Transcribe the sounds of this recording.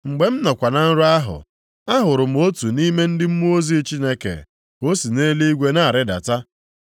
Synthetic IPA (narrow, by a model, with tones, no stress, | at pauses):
ŋ͡m̩˨ɡ͡be˨m̩˦nɔ˨kʷa˨na˨n̩˦ɾʊ˦a˦ɦʊ̰˨ | a˦ɦʊ˨ɾʊ˨m̩˦o˦tu˨ni˦me˦n̩˦dɪ˦m̩˦mu˦o˦zi˦t͡ʃi˦ne˦kḛ˨ | ko˦si˨neː˦li˦i˦ɡʷe˦na˦a˨ɾɪ˦da̰˨ta˦